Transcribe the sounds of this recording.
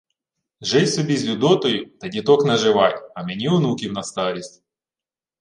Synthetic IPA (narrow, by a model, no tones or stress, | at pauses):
ʒɛjʲsʲʊbʲizʲlʲʊd̪ɔt̪ɔjʊt̪ɐdʲɪt̪ɔknɐʒɪʋajʲɐmʲɛnʲiʊnukʲɪwnɐst̪ɑɾʲɪsʲtʲ